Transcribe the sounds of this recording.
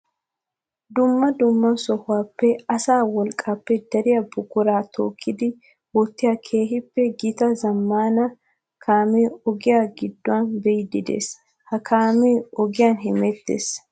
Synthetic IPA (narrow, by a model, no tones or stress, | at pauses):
d̪ʊmːɐd̪ʊmːɐsɔhʊwaːpːɛɐsaːwɔlkʼːaːpːɛd̪ɐɾɪjɐbʊɡʊɾaːt̪ʰo̰ːkʰːɪd̪ɪ | wɔt̪ːɪjakʰe̞ːɦɪpːɛɡɪt̪ɐzɐmːaːnɐ | kʰaːmeːɔɡɪjaːɡɪd̪ːʊwɐnbɛɪd̪ɪd̪ḛːs | hɐkʰaːmeːɔɡɪjaːnɦɛmɛt̪ːḛːs